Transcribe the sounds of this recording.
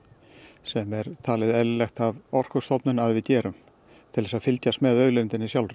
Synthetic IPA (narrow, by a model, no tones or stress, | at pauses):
sɛmɛɾt̪ʰaːlɪðɛllɛxt̪avɔr̥kʏst̪ɔwpnʏnaðvɪðcɛːɾʏm | t̪ʰɪlðɛsaðfɪlcast̪mɛðœːɥlɪnt̪ɪnːɪsjawlrʏ